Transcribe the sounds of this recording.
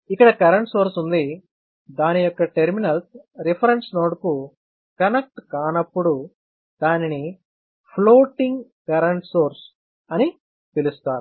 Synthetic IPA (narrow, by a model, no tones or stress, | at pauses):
ikːɐɽɐkɐɾɐɳʈso̞ːɾsund̪i | d̪aːnijɔkːɐʈeɾminɐls | ɾipʰɐɾɐnsnoːɽku | kɐnek̚ʈkaːnɐpːuɽu | d̪aːnini | pʰloːʈiŋɡkɐɾɐɳʈsoːɾs | ɐni | pilust̪aːɾu